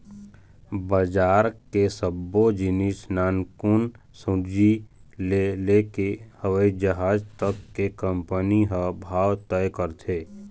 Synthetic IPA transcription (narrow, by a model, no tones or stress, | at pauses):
bəd͡ʒaːɾkesəbːod͡ʒɪnɪsnaːnkʊn | sʊ̃d͡ʒilelekehəʋəid͡ʒəɦaːd͡ʒt̪əkːekə̃mpəniɦəbʱaːwt̪əjkəɾt̪ʰeː